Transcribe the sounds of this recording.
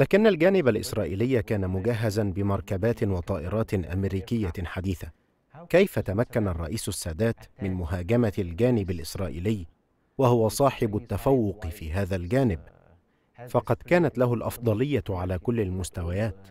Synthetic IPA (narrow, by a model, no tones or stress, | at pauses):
laːkɪnːalɡaːnɪbalʔɪ̰sɾˤɑːʔḭːlɪjːakaːnamʊɡaɦːazanbɪmɑɾˤkabaːt̪ɪwɑt̪ˤɑːʔɪɾˤɑːt̪ɪnʔa̰mɾiːkɪjːaħad̪iːθa | kajfat̪amakːanarˤːɑ̰ʔiːsʊsːaːd̪aːt̪mɪnmʊhaːɡamald͡ʒaːnɪbalʔɪsɾˤɑːʔḭːlɪjː | wahʊwasˤɑːħɪbʊt̪ːafawːʊqfiːɦaːðalɡaːnɪb | fɑqɑd̪kaːnat̪laɦʊlʔɑ̰fd̪ˤɑlɪjːaʕalaːkʊlːalmʊst̪awajaːt̪